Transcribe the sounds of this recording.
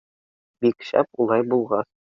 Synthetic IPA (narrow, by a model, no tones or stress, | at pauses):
bikɕæ̰pulˠɑjbulˠʁɑs